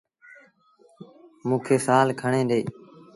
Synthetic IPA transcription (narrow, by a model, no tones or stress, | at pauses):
mũːkʰeːsaːlkʰəɳẽːɗ̪eː